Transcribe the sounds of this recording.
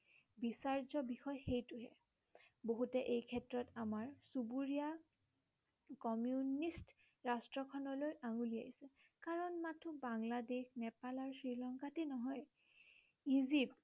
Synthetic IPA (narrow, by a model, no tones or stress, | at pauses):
bisaɹzɔbixɔjxejtʊɦɛ̰ | boɦutɛʔejkʰɛtɹɔtamaɹsubuɹija | kɔmjunist | ɹastɹɔkʰɔnɔlojʔaŋulia̰isɛ | kaɹɔnmatʰubaŋladexnɛpalaɹsɹilɔŋkatenɔɦɔj | izip̚